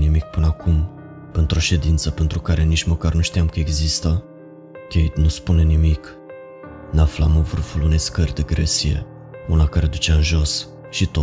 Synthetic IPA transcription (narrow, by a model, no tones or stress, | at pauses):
nimik̚pɨnəakʰum | pent̪ɾo̞ʃe̞d̪int̪səpent̪ɾukaɾe̞nit͡ʃməkarnuʃt̪ijamkəe̞ɡzist̪ə | kʲej̪nuspune̞nimik | naflamovɨrfulune̞jskərʲd̪eɡɾḛsie̞̰ | unakaɾed̪ut͡ʃeaɨnʒo̞s | ʃit̪o